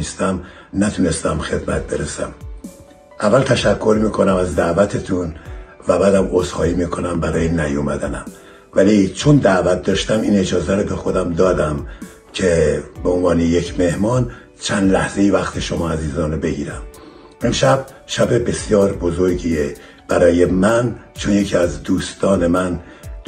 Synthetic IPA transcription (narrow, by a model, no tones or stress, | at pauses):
ist̪æm | næt̪ʰunest̪æmxe̞d̪mæ̰t̪̚ʰbe̞ɾesæ̰m | ʔævːælt̪ʰæʃækʰːo̞ɾmiːkʰo̞næmæzd̪æʔvæt̪ʰet̪ʰunvæbæːd̪æmozhɒːjiːmiːkʰo̞næmbæɾɒːjenæjomæd̪ænæm | vælit͡ʃʰond̪æʔvæt̪̚d̪ɒːʃt̪æmiːne̞d͡ʒɒːzæɾɔbe̞xo̞d̪æmd̪ɒːd̪æm | cʰebeonvɒːnejekʰme̞hmɒːn | t͡ʃʰænd̪læhz̥e̞jivæxt̪ʰeʃomɒːæziːzɒːnɾobe̞ɡiːɾæm | e̞mʃæb̥̚ | ʃæbe̞be̞sjɒːɾbo̞zoɾɟiːe | b̥æɾɒːje̞mænt͡ʃʰonjecʰiæzd̪uːst̪ɒːne̞mæn